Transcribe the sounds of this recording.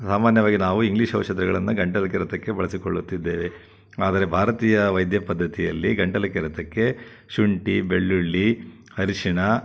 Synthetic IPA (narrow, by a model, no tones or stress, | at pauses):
saːmaːnjɐʋaːɡinaːʋuiŋɡliʃɦɐʋʂɐd̪ɾɐɡɐɭɐnːuɡɐɳʈɐlɐkɛɾɐt̪ɐkːe̞bɐɭɐsikoɭːut̪ːid̪ːe̞ːʋe | aːd̪ɐɾebʱaːɾɐt̪iːjɐʋɐjd̪jɐpɐd̪ːɐt̪ijɐlːiɡɐɳʈɐlɐkiɾɐt̪ɐkːe̞ | ʃuɳʈibeɭːuɭːi | hɐɾiʂiɳɐ